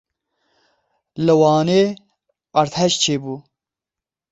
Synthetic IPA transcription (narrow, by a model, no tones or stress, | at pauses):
lɐwɑːne | ɐɾt̪ʰɐɕt͡ɕʰebu